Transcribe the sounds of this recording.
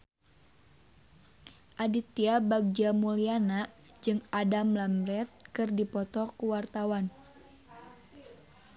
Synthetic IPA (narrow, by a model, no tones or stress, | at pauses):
ʔadit̪iabaɡ̚d͡ʒamulianaʔd͡ʒɨŋadamlamɾɛt̪̚kɨrdipɔt̪ɔkuwart̪awan